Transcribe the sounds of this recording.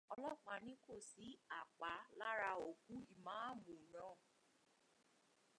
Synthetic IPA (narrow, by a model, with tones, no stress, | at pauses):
ɔ˧lɔ˦k͡pa˨nĩ˦ko˦˨si˨˦a˦˨k͡pa˨˦la˦ɾa˧o˨ku˦i˦˨mãː˨˦a˦mũ˨nãː˦˨